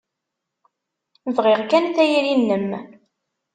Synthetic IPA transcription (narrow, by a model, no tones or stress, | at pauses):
vʁɪʁkænθæjɾinːəm